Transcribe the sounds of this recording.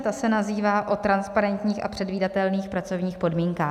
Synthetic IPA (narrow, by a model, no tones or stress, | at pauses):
t̪asɛnaziːvaːʔo̞t̪ɾanspaɾɛnt̪ɲiːxʔa̰pr̥ɛdviːdat̪ɛlniːxpɾat͡so̞vɲiːxpo̞dmiːŋkaː